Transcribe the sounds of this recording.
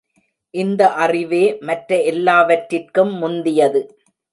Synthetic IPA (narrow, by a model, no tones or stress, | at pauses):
ʔɪnd̪ɐʔɐrɪʋeːmɐʈɾɐɛlːaːʋɐʈɾɪrkɯmːʊnd̪ɪjɐðɯ